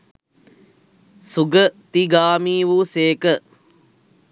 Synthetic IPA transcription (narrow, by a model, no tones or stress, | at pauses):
suɡət̪iɡaːmiːʋuːseːkə